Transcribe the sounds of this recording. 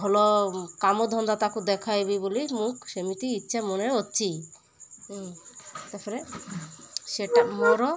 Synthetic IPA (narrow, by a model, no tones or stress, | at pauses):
bʱɔlɔkamod̪ʱɔnd̪at̪akud̪ɛkʰajbibolimũkʃemit̪iitːʃʰamoneotːʃʰi | t̪aɾpʰɔɾe | ʃeʈamɔɾɔ